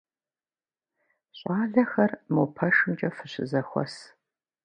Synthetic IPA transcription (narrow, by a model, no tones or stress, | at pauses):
ɕʷʼaːɮɐxɐrmopʰɐʃɨmt͡ʃʼɐfɨɕɪzɐxʷɔ̰s